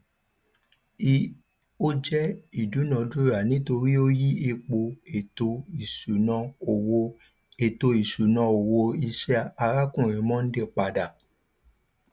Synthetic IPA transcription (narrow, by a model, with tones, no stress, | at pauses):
i˦ | o˦d͡ʒɛ˦i˨du˨˦nã˧du˦ɾa˨nĩ˨˦to˧ɾi˦o˦ji˦e˦˧k͡po˧e˨to˧i˨su˨nã˧o˨wo˧ | e˨to˧i˨su˨nã˧o˨wo˧i˧ʃɛ˦a˧ɾa˦kũ˦˨ɾ̃ĩ˨mɔ̃˦n̩˦de˦˨k͡pa˨da˨